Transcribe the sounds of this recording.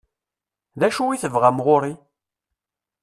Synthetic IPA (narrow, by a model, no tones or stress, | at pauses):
ðæʃuwiθəvʁamʁʊɾi